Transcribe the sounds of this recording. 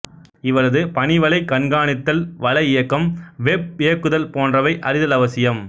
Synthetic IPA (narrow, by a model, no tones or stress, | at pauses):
ɪʋɐlɐðɯpɐnɪʋɐlɐɪkːɐɳɡaːɳɪt̪ːɐlʋɐlɐɪjɐkːɐmʋɛp̚ɪjɐkːɯðɐlpoːndrɐʋɐɪʔɐɾɪðɐlɐʋɐsɪjɐm